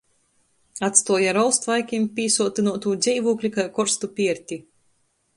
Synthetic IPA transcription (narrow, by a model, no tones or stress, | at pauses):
at̪st̪uɔjaɾɔlˠst̪vajkʲimpʲiːsuɔt̪inuɔt̪uːd̪zʲɛjvuːklʲikajkɔɾst̪upʲiɛɾʲt̪ʲi